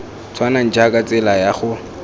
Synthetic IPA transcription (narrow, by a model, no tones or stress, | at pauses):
t͡sʰwanan̩d͡ʒakʼat͡sɪlajaχʊ